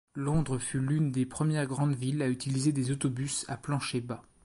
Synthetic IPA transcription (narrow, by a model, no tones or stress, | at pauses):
lɔ̃d̪ʁəfylynd̪epχəmjɛʁɡʁɑ̃d̪vilayt̪ilized̪ezot̪ɔbysa̰plɑ̃ʃeba